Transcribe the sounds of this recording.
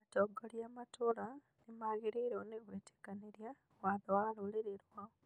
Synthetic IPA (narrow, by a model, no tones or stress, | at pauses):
toɡoljamatula | nimaɣiɾeɾeoneɣwete̥kaneɾja | waðowaluliɾeɾwao